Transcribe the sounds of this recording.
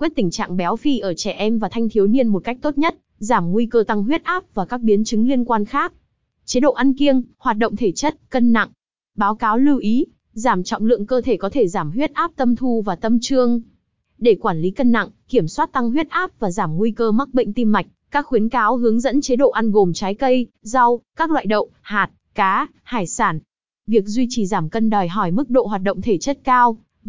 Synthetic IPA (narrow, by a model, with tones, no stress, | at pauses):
kwi˦˥ət̚t̪ï˧˩ŋ̟t͡ɕa̰ː˧˨ŋɓɛ˨˦wfi˧ʔəː˧˩t͡ɕɛ˧˩ʔɛ˧mvaː˨˩t̪ʰa˧jŋ̟t̪ʰi˨˦wni˧ənmo˨˩t̚ka˦˥k̚t̪o˦˥t̚ɲə˦˥t̚ | zaː˧˩mːu˧jkəː˧t̪a˧ŋɦwi˦˥ət̚ʔaː˦˥p̚vaː˨˩kaː˦˥k̚ɓi˨˦nt͡ɕɨ˨˦ŋli˧ənkwaː˧nxaː˦˥k̚ | t͡ɕe˨˦ɗo̰˧˨ʔa˧nki˧əŋhwaː˨˩t̚ɗə̰˧˨wŋ͡mt̪ʰe˧˩t͡ɕə˦˥t̚kə˧nːa̰˧˨ŋ | ɓaː˨˦wkaː˨˦wlɨ˧wʔi˨˦ | zaː˧˩mt͡ɕɔ̰˧˨wŋ͡mlɨ̰˧˨əŋkəː˧t̪ʰe˧˩kɔ˨˦t̪ʰe˧˩zaː˧˩mɦwi˦˥ət̚ʔaː˦˥p̚t̪ə˧mt̪ʰu˧vaː˨˩t̪ə˧mt͡ɕɨ˧əŋ | ɗe˧˩kwaː˧˩nli˨˦kə˧nːa̰˧˨ŋki˧˩əmswaː˦˥t̚t̪a˧ŋɦwi˦˥ət̚ʔaː˦˥p̚vaː˨˩zaː˧˩mːu˧jkəː˧ma˦˥k̚ɓḭ˧˨ŋ̟t̪i˧mːa˨˩jk̟̚kaː˦˥k̚xwi˨˦ənkaː˨˦wɦɨ˨˦əŋzə̰˧˥nt͡ɕe˨˦ɗo̰˧˨ʔa˧nɣo˨˩mt͡ɕaː˨˦jkə˧j | za˧wkaː˦˥k̚lwa̰ː˧˨jɗə̰˧˨wŋ͡mhaː˨˩t̚kaː˨˦ | haː˧˩jsaː˧˩n | vi˨˩ək̚zwi˧t͡ɕi˨˩zaː˧˩mkə˧nɗəː˨˩jɦɔ˧˩jmɨ˦˥k̚ɗo̰˧˨ɦwaː˨˩t̚ɗə̰˧˨wŋ͡mt̪ʰe˧˩t͡ɕə˦˥t̚kaː˧w